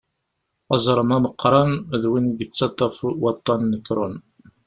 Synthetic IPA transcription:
ɑzˤɾˤəmæməqːɾˤɑnðwinɡət͡sːɑt̪ˤːɑfwɑt̪ˤːɑnːəkɾʊn

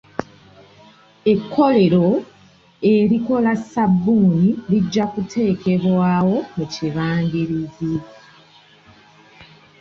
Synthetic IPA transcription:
e̞kʰːo̞le̞ɾo̞ | e̞ɾiko̞lasabːuːniliɟːakutʰe̞ːke̞βwaːwo̞muciβaːŋɡiɾizi

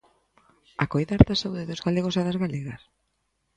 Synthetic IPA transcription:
akojðaɾðasauðɪðozɣaleɣ̞ʊsaðazɣaleɣɐs

